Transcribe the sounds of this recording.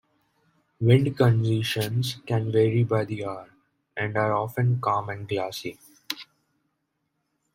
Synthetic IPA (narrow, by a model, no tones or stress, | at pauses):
ʋɪ̃ɳɖkə̃nd͡ʒiʃə̃nzkɛ̃nʋeːɾibaɪd̪iaːɾ | ɛ̃ɳɖaːɾɔːfə̃nkãːmɛ̃ɳɖɡlaːsi